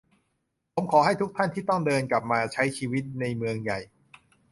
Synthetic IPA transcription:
pʰo˩˦mkʰɔː˩˦ɦa˥˩jt̪ʰu˦˥k̚t̪ʰa˥˩nt̪ʰiː˥˩t̪ɔ˥˩ŋdɤː˧nka˨˩p̚maː˧t͡ɕʰa˦˥jt͡ɕʰiː˧wi˦˥t̪̚na˧jmɯ˧əŋja˨˩j

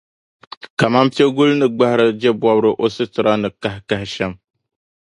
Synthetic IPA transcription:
ka˨ma˦m˦pi˦ɛ˦ɡʊ˦lnɨ˨ɡ͡ba˦hɪ˦ɾɨ˦d͡ʒɛ˦bɔ˦bɾɨ˦ʔo˦sɨ˦tɨ˨ɾa˦nɨ˨ka˦hɪ˦ka˦hɪ˦ʃɛ˦m

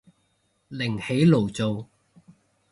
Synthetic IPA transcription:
lɪ˨˩ŋhe˨˥jlo˨˩wt͡so˨w

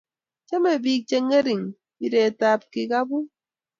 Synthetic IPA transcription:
t͡ʃe˦me˨bi˦˨k̚t͡ʃe˦ŋe˦ɾi˨ŋ | i˦ɾe˨ta˨p̚ki˨ka˦bu˦

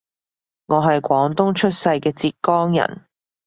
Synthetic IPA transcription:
ŋɔː˨˧ɦɐ˨jkʷɔː˨˥ŋt̪ʊ˥ŋt͡ʃʰɵ˥t̚sɐ˧jkɛː˧t͡siː˧t̚kɔː˥ŋjɐ̰˨˩n

